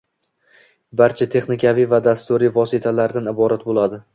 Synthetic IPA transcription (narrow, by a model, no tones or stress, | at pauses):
baɾt͡ʃʰat̪ʰe̞χnɪkʲʰavijvad̪ast̪ʊɾivɒsɪt̪ʰalaɾd̪anɪbɒɾat̪̚bolˠad̪ɪ